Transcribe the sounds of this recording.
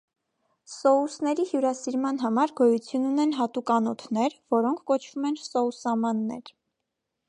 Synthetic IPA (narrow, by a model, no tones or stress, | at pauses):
sɔusnɛɾihjuɾɑsiɾmɑn̪ɦɑmɑɾɡɔjut͡sʰjununɛnɦɑt̪ukɑnɔt̪ʰnɛɾvɔɾɔŋkʰːɔt͡ʃʰv̥umɛnsɔusɑmɑnːɛ̰ɾ